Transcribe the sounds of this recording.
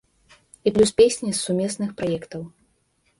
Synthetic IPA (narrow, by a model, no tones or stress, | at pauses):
iplʲuspʲesʲnʲisːumʲɛsnɨxpɾajɛkt̪ɐw